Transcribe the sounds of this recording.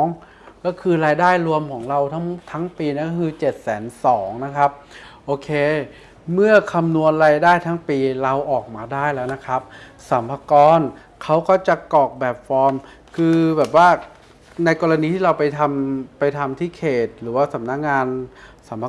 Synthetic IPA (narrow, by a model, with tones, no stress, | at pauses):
ŋ | kɔː˥˩kʰɯː˧ɾaː˧jdaː˥˩jɾu˧əmkʰɔː˩˦ŋɾa˧wt̪ʰa˦˥ŋt̪ʰa˦˥ŋpiː˧na˦˥kɔ˥kʰɯː˧t͡ɕe˨˩t̪̚sɛː˩˦nsɔː˩˦ŋna˦˥kʰa˦˥p̚ʔoː˧kʰeː˧ | mɯ˥˩ɐkʰa˧mnu˧ənɾaː˧jdaː˥˩jt̪ʰa˦˥ŋpiː˧ɾa˧wʔɔː˨˩k̚maː˧daː˥˩jlɛː˦˥wna˦˥kʰa˦˥p̚ | sa˩˦mpʰa˧kɔː˧n | kʰa˦˥wkɔː˥˩t͡ɕa˨˩kɔː˨˩k̚bɛː˨˩p̚fɔː˧m | kʰɯː˧bɛː˨˩p̚waː˥˩ | na˧jkɔː˧ɾa˧niː˧t̪ʰiː˥˩ɾa˧wpa˧jt̪ʰa˧mpa˧jt̪ʰa˧mt̪ʰiː˥˩kʰeː˨˩t̪̚ɾɯː˩˦waː˥˩sa˨˩˦p̚na˦˥k̚ŋaː˧nsa˩˦mpʰa˧